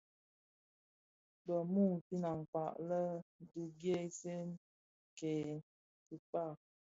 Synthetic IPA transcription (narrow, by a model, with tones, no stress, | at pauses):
bə˨mu˦˨ŋ˨pi˦na˨ŋ˨pa˨ʔlə˦˨du˨ɡje˦se˦n | kɛ˨ | ti˨pa˦˨